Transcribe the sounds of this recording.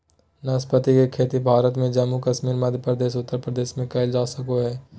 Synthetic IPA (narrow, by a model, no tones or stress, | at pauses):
nɐspət̪ikekʰeːt̪ibʱaːɾət̪mẽd͡ʒɐmːukɐʃmiːɾməd̪ʱjəpɾəd̪eːʃ̬ʊt̪ːəɾpɾəd̪eːʃmẽkɐld͡ʒaːsɐkoɦɛː